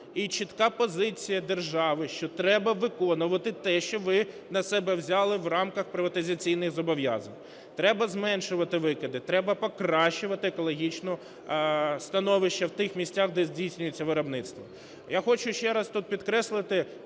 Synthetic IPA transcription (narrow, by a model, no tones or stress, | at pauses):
it͡ʃɪt̪kɑpɔzɪt͡sʲijɐd̪erʒɑʋɪʃt͡ʃɔt̪ɾɛbɐʋɪkɔnʊʋɐt̪ɪt̪ɛʃt͡ʃɔʋɪ | nɐsɛbɛwzʲalˠɪwrɑmkɐxpɾɪʋɐt̪ɪzʲɐt͡sʲijnɪxzɔbɔʋʲja̰zɐnʲ | t̪ɾɛbɐzmɛnʃʊʋɐt̪ɪʋɪkɪd̪ɪt̪ɾɛbɐpɔkɾɑʃt͡ʃʊʋɐt̪ɪekɔlˠɔɦʲit͡ʃnɔ | st̪ɐnɔʋɪʃt͡ʃːɐwt̪ɪxmʲisʲtʲaxd̪ɛzʲdʲijsʲnʲʊjʊt͡sʲːɐʋɪɾɐbnɪt̪st̪ʋɔ | jaxɔt͡ʃʊʃt͡ʃɛɾɐst̪ut̪̚pʲid̪kɾɛslˠɪt̪ɪ